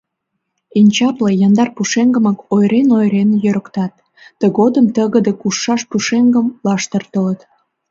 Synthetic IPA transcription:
inʲt͡ɕɑplejɑnd̪ɑrpuʃeŋɡəməkojɾenojɾenjøɾəkt̪ɑt̪ː | əɣod̪əmt̪əɣəd̪ekuʃːɑʃpuʃeŋɡəmlɑʃt̪ərt̪olət̪

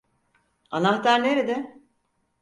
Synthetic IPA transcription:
a̰naxt̪aɾneɾed̪ɪ

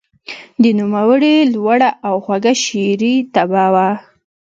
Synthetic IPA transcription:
d̪ənumawəɽelwaɽaʔawxwaɡaʃeɾit̪abawa

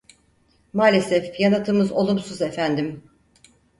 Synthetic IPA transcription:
maːlʲe̞sɛfjanat̪ʰɯmɯzo̞lˠumsuzefænd̪im

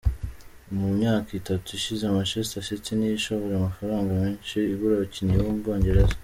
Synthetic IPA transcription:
mumɲaːkitatuiʃizemaʃestasitinijiʃoβoɾeamafaɾaːŋɡameːnʃiiβuɾaβociniβomubɡoːɲɟe̞ɾezḁ

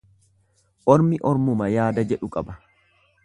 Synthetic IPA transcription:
ʔɔɾmɪʔɔɾmʊmɐjaːd̪ɐd͡ʒɛᶑʊkʼɐbɐ

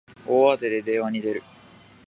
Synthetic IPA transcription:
oːat̪e̞d̪e̞d̪e̞ːβaɲ̟id̪e̞ɾɯ̟

